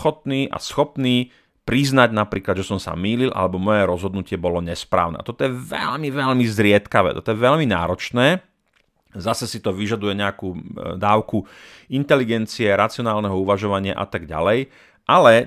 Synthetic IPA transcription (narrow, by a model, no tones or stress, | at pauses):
xɔt̪niːʔa̰sxɔpniː | pɾiznaɟnapɾiːklad̪ʒɛsɔmsa̰miːlilʔa̰lɛbɔmɔjɛɾɔzɦɔd̪nucɪɛbɔlɔɲɛspɾa̰ːʊnɛ̰t̪ɔt̪ɔjɛʋɛ̰ʎmiʋɛlmizɾɪɛt̪kaʋɛ̰ːt̪ɔt̪ɔjɛʋɛʎmina̰ːɾɔt͡ʃnɛː | zasɛsit̪ɔʋiʒad̪ujɛɲɛakuːd̪aːʊku | int̪ɛliɡɛnt͡siɛɾat͡siɔnaːlnɛɦɔuʋaʒɔʋaɲɪa̰ʔa̰t̪aɡɟa̰lɛj | ʔalɛ